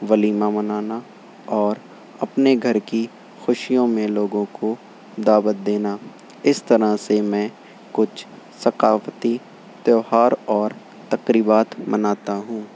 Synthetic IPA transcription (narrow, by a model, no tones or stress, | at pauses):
ʋɐliːmamɐnaːna | ɔːɾ | ɐpneɡʱɐɾki | xʊʃijõmẽloːɡõko | d̪aːbət̪̚d̪eːna | ɪst̪ɐɾəsemɛ̃ː | kʊt͡ʃʰ | sɐqaːft̪i | t̪joːɦaːɾɔːɾ | t̪ɐqɾiːbaːt̪mɐnaːt̪aɦũː